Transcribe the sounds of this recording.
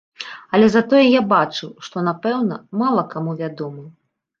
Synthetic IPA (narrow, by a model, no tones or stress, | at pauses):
ɐlʲɛzat̪ɔjɛjabat͡ʂɨwʂt̪ɔnapɛwnɐmalˠɐkamuvʲad̪ɔmɨ